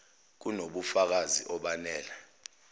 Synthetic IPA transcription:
k̬unoɓufak̬aziʔɔɓanɛːla

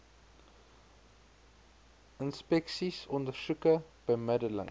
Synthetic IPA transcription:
ənspɛksisɔndərsukəb̥əjmədələ̰ŋ

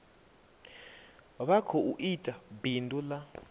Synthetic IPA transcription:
βakʰɔuʔitʼabindʼula

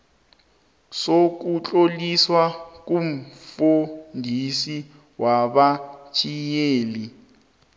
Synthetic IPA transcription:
sok̬ut͡ɬʼoliswak̬ʼum̩fundʱisi | waɓat͡ʃʰʼijeːli

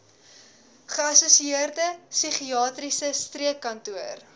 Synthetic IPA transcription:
χəɐsusiiərdəsiχiɑːtrisəstriəkːɐntuər

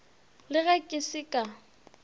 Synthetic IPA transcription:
lɪɣɛkʼɪsɪkʼa

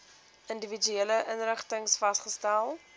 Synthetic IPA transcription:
əndəvid͡ʒyeləʔənɾəχtəŋsfɐstχəstælˠ

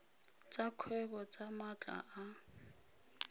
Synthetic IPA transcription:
t͡sakʰwɛk̬ʼɔt͡sʼamat͡ɬʼa̰ʔa

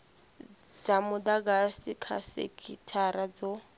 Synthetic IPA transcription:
d͡zamʊdaɡasikʰa̰sḛkʰʼitʰaɾad͡zo

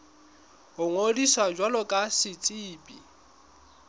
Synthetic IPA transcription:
ɦʊŋodisad͡ʒwalɔkʼasɪt͡sʼiːpʼi

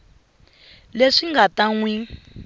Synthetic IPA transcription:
leʂiŋɡataŋwi

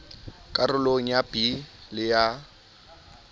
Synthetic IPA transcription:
kʼarʊloŋ̩jabilɪja

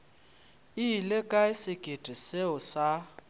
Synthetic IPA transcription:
ilekʼaɪsɪkʼed̥ʱʼiseʊsa

